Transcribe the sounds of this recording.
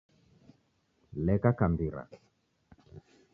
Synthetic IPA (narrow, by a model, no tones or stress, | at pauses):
lɛkakambiɾa̰